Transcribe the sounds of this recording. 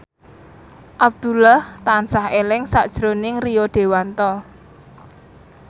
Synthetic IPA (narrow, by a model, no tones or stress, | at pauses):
ʔab̚d̪̥ṳlaht̪ansaɦelɪŋsaʔd̥ʒ̥ɾonɪŋrijoɖ̪̥e̤want̪ɔ